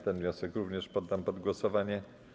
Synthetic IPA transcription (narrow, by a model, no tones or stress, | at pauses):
t̪ɛnvʲɲɔ̃sɛkɾuvɲɛʂpɔd̪ːampɔd̪ɡwɔsɔvaɲɛ